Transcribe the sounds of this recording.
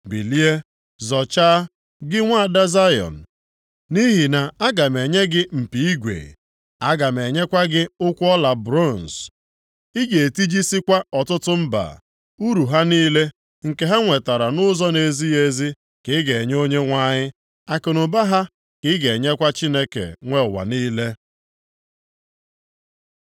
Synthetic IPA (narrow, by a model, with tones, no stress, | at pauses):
bi˨li˦e˦ | zɔ˨t͡ʃa˦ | ɡɪ˦ŋʷa˦˨da˦za˦jɔ̰˨n̩˨ | ni˦ɦi˨na˨a˦ɡa˨me˨ɲe˦ɡɪ˦m̩˨pi˨i˦ɡʷḛ˨ | a˦ɡa˨m˨e˨ɲe˦kʷa˦ɡɪ˦ʊ˦kʷʊ˦ɔ˦la˨bɾo˦˨n̩˨s | i˦ɡe˨ti˦d͡ʒi˦si˦kʷa˦ɔ˨tʊ˦tʊ˦m̩˦ba̰˨ | u˦ɾu˨ɦa˦niː˦le˦ | ŋ̩˨ke˨ɦa˦ŋʷe˨ta˨ɾa˨nʊ˦zɔ˦ne˨zi˦e˦zi˦ | kɪ˦ɡe˨ɲ˦o˦ɲe˦ŋʷa˦ɲɪ˦ | a˦kʊ˨nʊ˨ba˦ɦa˦ | kɪ˦ɡe˨ɲe˦kʷa˦t͡ʃi˦ne˦kḛ˨ŋʷe˦˨wa̰˨niː˦le˦